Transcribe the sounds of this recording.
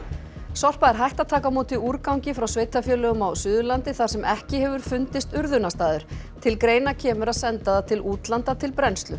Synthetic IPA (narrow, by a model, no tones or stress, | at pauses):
sɔr̥paɛɾɦajht̪aðt̪ʰaːkamoːt̪ɪuɾkawŋcɪfɾawsveːjt̪afjœːlœɣʏmawsʏːðʏlant̪ɪθaɾ̥sɛmʔɛhcɪhɛvʏɾ̥fʏnt̪ɪst̪ʏɾðʏnast̪aːðʏɾ̥ | t̪ʰɪlkɾeːjnacʰɛːmʏɾaðsɛnt̪aðat̪ʰɪluːt̪lant̪at̪ʰɪlpɾɛnst̪lʏ